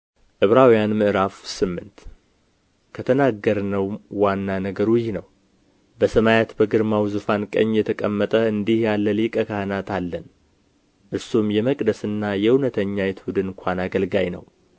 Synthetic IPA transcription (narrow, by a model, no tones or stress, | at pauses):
ʔɨβɾawijanmɨʔɨɾafsɨmːɨnt̪ | kʰət̪ʰənaɡːəɾnəwːanːanəɡəɾwjhnəw | bəsəmajat̪bəɡɨɾmawzufankʼə̰ɲːjɛt̪ʰəkʼəmːət̪ʼəɨnd̪ihjalːəlikʼəkʰahɨnat̪ʰalːən | ʔɨɾsumjɛməkʼd̪əsɨnːajɛunət̪ʰəɲːajɛt̪ʰud̪ɨnɨŋkʷʰanaɡəlɡajnə̰w